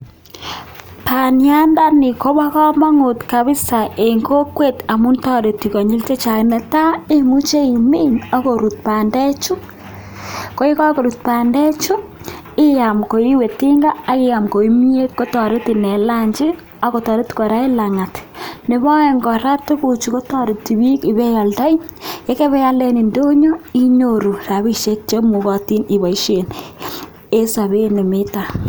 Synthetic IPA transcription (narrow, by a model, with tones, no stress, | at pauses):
pa˨nja˦nda˦ni˨ko˦βa˦kɔ˦ma˦ŋo˨tka˨βi˦sa˨ʔe˨ŋko˦kwe˦˨ta˨mu˦ntɔ˦ɾe˨ti˨ko˨ɲi˦lte˦t͡ʃa˨nɛ˨ta˦e˦mu˦t͡ʃe˦i˨mi˦na˦ko˨ɾu˨t̚pa˨nde˦t͡ʃu˦ | ko˦e˦ka˦ko˨ɾu˨t̚pa˨nde˦t͡ʃu˦ | ɪ˦ja˨mko˨i˦we˨ti˦ŋɡaː˦kɪ˦ja˨mko˨i˦mi˦e˦t̚ko˦tɔ˨ɾe˦ti˨nɛ˨la˦ɲd͡ʒɪ˦ | a˦ko˨tɔ˨ɾe˦tko˨ɾa˦i˦la˨ŋa˨tne˨βɔ˦e˨ŋɡɔ˨ɾa˦tu˦ku˨t͡ʃu˨ko˦tɔ˦ɾu˨ti˨bi˦ki˨bɛ˦ja˨lta˦i˦je˦ke˦βɛ˦ja˦ldɛ˦ni˨ndo˦ɲo˦i˦ɲo˨ɾu˨ra˨βi˦ʃe˦t̚t͡ʃe˦mu˨kɔ˨ti˦ni˨βa˨iʃe˨n | e˦sa˨βe˦ne˨mɪ˦ta˨